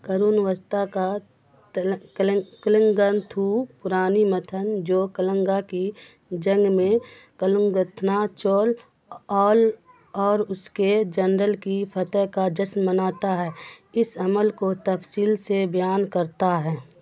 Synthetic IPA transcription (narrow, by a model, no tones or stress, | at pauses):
kəɾuːnʋəst̪aka | kələ̃ŋɡənt̪ʰuːpʊɾaːnimət̪ʰənd͡ʒoːkələ̃ŋɡaki | d͡ʒə̃ŋɡmẽ | kələ̃ŋɡət̪ʰnat͡ʃoːl | ɔːl | ɔːɾʊsked͡ʒənɾəlkipʰət̪əkad͡ʒəsnmənaːt̪aɦɛːɪsəməlkot̪əfsiːlsebjaːnkəɾt̪aɦɛː